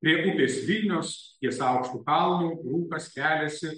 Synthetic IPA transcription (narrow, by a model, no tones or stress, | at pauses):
pʲɾʲiɛʔʊpʲeːsʋʲɪlʲnʲoːst̪ʲiɛsɐʊkʃt̪uːkɐlˠnuːɾuːkɐstʲæːlʲɛsʲɪ